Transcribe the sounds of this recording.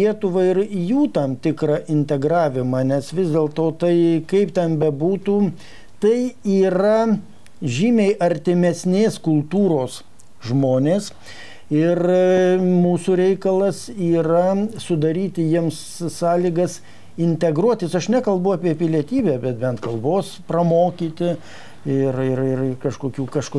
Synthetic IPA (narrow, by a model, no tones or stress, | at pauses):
iɛt̪ʊʋɐɪɾjuːt̪ɐmt̪ʲɪkɾɐʔɪnʲt̪ʲɛɡɾɑːʋʲɪmɑːnʲɛsʋʲɪzd̪ʲeːlˠt̪oːt̪ɐɪkɐɪpt̪ʲɛnbʲɛbuːt̪uː | t̪ɐɪiːɾɐ | ʒʲiːmʲeɪʔɐɾʲt̪ʲɪmʲɛsʲnʲeːskʊlˠt̪uːɾoːs | ʒmoːnʲeːs | ɪr | muːsuːɾʲɛɪkɐlˠɐsiːɾɐsʊd̪ɐɾʲiːt̪ʲɪjiɛms | sɑːlʲiːɡɐs | ɪnʲt̪ʲɛɡɾuɔt̪ʲɪsɐʃnʲɛkɐlˠbɐʊɑːpʲiɛpʲɪlʲiɛt̪ʲiːbʲæːbʲɛt̪̚bʲɛnt̪kɐlˠboːsprɐmoːkʲiːt̪ʲɪ | ɪrɪrɪrkɐʃkoːkʲuːkɐʃko